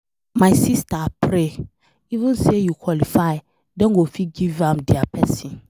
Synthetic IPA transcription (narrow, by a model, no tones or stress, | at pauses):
maɪsistapʰɾe | ivə̃nsejukʰwɔlifaɪ | dɛ̃nɡofiɡivãmdiapʰɛsĩn